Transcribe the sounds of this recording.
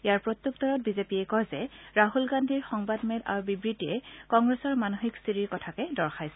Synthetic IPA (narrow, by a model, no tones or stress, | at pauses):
ejaɹpɹot̪ːjuk̚tɔɹɔt̚bizepiɛkɔjzɛɹaɦulɡandʱiɹxɔŋbadmeda̰ɹbibɹitiɛkɔŋɡɹesɔɹmanoxikstiɹiɹkɔtʰakɛdɔɹxajsɛ